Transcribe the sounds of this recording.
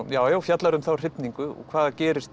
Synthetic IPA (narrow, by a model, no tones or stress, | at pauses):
jaːwjaːwfjat̪laɾʏmθawr̥ɪpniŋkʏɔ̰ɣkʰvaːðacɛːɾɪst̪